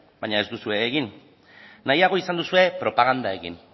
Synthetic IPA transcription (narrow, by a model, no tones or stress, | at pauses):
baɲae̞zd̪usue̞ːɣinː | ajaɣ̞o̞isand̪usue̞pɾo̞paɣ̞and̪ae̞ɣḭn